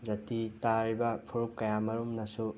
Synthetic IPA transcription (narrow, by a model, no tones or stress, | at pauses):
d͡ʒɐtitaɾibɐpʰuɾukkɐjamɐɾumnɐsu